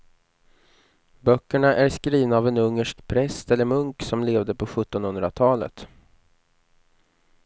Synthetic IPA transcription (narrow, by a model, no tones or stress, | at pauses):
bœkːəɳaʔæɾskɾiːvnaːvɛnɵŋːəʂkpʰɾɛst̪ɛlːəɾmɵŋksɔmleːvd̪əpʰɔɧɵt̪ːɔnhɵnd̪ɾat̪ʰɑːlə̰t̪